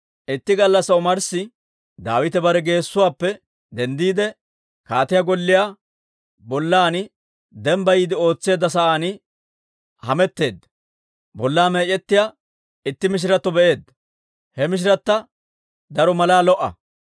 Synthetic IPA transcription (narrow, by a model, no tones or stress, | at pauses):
ʔɪt̪ːɪɡɐlːɐsːɐʊmɐɾsɪ | d̪aːwɪt̪ɛbɐɾɛɡe̞ːsːʊwaːpːɛ | d̪ɛnd̪iːd̪ɛ | kaːt̪ɪjaɡɔlːɪja | bɔlːaːnɪ | d̪ɛmbɐjiːd̪ɪo̞ːt͡sːe̞ːd̪ːɐs̬ɐʔaːnɪ | hɐmɛt̪ːe̞ːd̪ɐ | bɔlːaːmeːt͡ʃʼɛt̪ːɪja | ɪt̪ːɪmɪʃ̬ɪɾɐt̪ːɔbɛʔe̞ːd̪ɐ | hɛmɪʃ̬ɪɾɐt̪ːɐ | d̪ɐɾɔmɐlaːlɔʔɐ̰